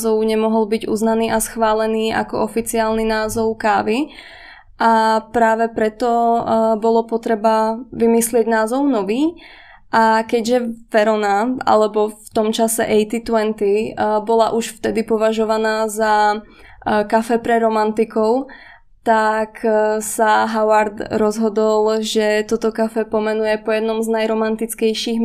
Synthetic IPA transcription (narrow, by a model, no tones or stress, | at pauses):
zɔʊɲɛmɔɦɔlbiɟṵːznaniːʔasxʋaːlɛniːʔa̰kɔʔɔfit͡siaːlninaːzɔʊkaːʋi | ʔapɾaːʋɛpɾɛt̪ɔbɔlɔpɔt̪ɾɛbaʋimislɪɛɟnaːzɔʊnɔʋiː | ʔakɛɟʒɛʋɛɾɔnaa̰lɛbɔft̪ɔmt͡ʃasɛ̰ʔɛjt̪it̪ʊɛnt̪ibɔla̰ʔuʃft̪ɛd̪ipɔʋaʒɔʋanaːza | kafɛpɾɛɾɔmant̪ikɔʊ | t̪aksaɦaʊaɾd̪ɾɔzɦɔd̪ɔlˠʒɛt̪ɔt̪ɔkafɛpɔmɛnujɛpɔjɛd̪nɔmznajɾɔmant̪it͡skɛjʃiːɣ